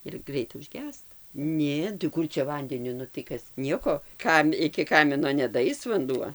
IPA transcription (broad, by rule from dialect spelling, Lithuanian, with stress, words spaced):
ɪr ˈɡrʲɛɪtɐ ʊʒʲˈɡʲæːstɐ ˈnʲeː tɐɪ ˈkʊr t͡ʃʲɛ ˈʋɐnʲdʲɛnʲʊ nʊ tɐɪ ˈkɐs ˈnʲiɛkoː ˈkɐm ɪkʲɪ ˈkɑːmʲɪnoː nʲɛdɐˈɐɪs ʋɐnˈduɔ